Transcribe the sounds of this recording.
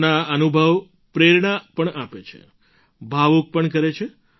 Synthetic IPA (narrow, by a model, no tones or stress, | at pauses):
naənubʱəʋ | pɾeɾɳapəɳapet͡ʃʰḛ | bʱaʋuk̚pəɳk̬əɾet͡ʃʰe